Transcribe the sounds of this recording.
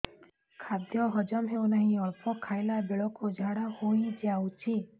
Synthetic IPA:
kʰad̪jɔɦɔd͡ʒamɦewnaɦĩɔɾpʰɔkʰajlabeɭɔkod͡ʒʱaɽahojd͡ʒawt͡ʃʰi

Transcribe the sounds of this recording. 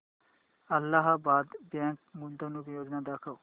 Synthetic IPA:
əlːaɦabaːd̪bɛ̃ːŋk̚mʊnd̪onukjoːd͡ʒnaːd̪aːkʰaː

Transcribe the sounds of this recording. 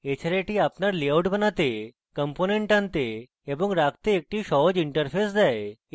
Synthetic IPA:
et͡ɕʰaɾeʈiːapnaɾliawʈbʱənat̪e | kəmponeɳʈãnt̪eː | bəŋɡɾakt̪eːk̚ʈiːɕɔɦd͡ʑiɳʈəɾfʰesd͡zae

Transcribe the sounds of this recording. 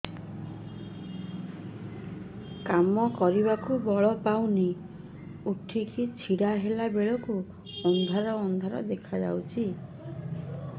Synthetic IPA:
kamɔkɔɾiβakubɔɭɔpawni | uʈʰikit͡ʃʰiɽaɦelabeɭɔku | ɔnd̪ʱaɾɔːnd̪ʱaɾɔ̰d̪ekʰad͡ʒa̰wt͡ʃʰi

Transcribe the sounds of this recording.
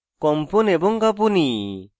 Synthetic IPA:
kɔmpɔnɛbɔŋkap̬uni

